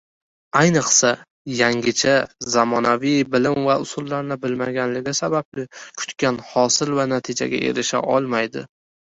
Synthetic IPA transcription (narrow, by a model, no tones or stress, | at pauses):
ajnɨqsa | jaŋɡʲɪt͡ʃʰazamɒnavɪjbɪlɪmvaʊsʊlˠːaɾnɪbɪlmaɡʲanlɪɡʲɪsabablɪkʰʊ̥t̪kʲanhɒsɪlvanat̪ʰɪd͡ʒa̰ɡʲa̰ʔe̞̰ɾɪʃa̰ʔɒlˠmajd̪ɪ̰